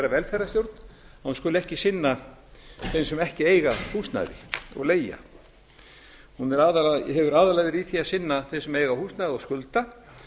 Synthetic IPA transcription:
ɛɾavɛlfɛɾast̪jowɾt̪nahunskʏːlʏɛhcɪsɪnːa | θejnsɛmɛhcɪeːjɣahust̪na̰ðɪ̰ɔ̰ɣleːja̰ | hunɛɾaðɦɛvʏɾaːðalajðɪɾiːθiasɪnːaθesɛmejɣahuːst̪najðɔskʏlt̪a

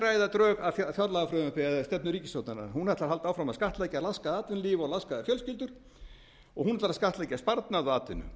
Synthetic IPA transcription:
ɾaːjðat̪ɾœːɣaðfafjɔt̪laɣafɾœːmapɪaðst̪ɛp̚nʏɾiːcɪsowt̪nana̰ɾhunɛɾat̪aɾɦalt̪aːwfɾamaðskaht̪lɛːjcalaskaðɪaːt̪vɪnliːvɔlaskaðɪfjœlscɪlt̪ʏɾ̥ | ɔ̰ɣhunɛɾt̪aɾaskaht̪lɛjcːaspaɾt̪naðɔaːt̪vɪnʏ̰

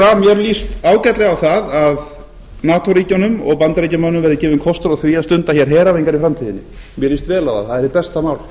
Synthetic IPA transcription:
θaðmjɛɾlist̪aːwcat̪lɛɣawθaðað | naːt̪ɔɾiːcanʏmɔ̰ɣpant̪ɾiːcamœnʏmvɛɾðɪcɛːvɪnkʰɔst̪ʏɾaθviːast̪ʏnt̪açɛɾ̥ɦɛːɾavejŋkaɾifɾamt̪ʰiːðɪnːɪ̰ | mjɛɾlist̪vɛːlawθa̰ðθaðɛɾɪpɛst̪amaːwl

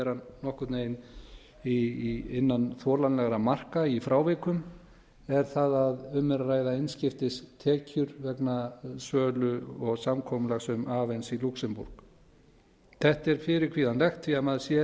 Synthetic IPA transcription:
ɛɾanːɔhkʏɾt̪neːjn | iɪnːanθɔːlanlɛɣɾamar̥kaifɾʔaːwvɛkʏm | ɛɾ̥θaðaðʏmːɛɾraːjðaɪjnscɪft̪ɪst̪ʰɛːcʏɾvɛknasœːlʏɔɣsamkʰɔmʏlaɣsɛmaːvɛnsiluksɛmpṵɾ̥k | θɛht̪ɛɾ̥fɪɾɪɾkʰviːðanlɛxt̪viamaðsjɛ

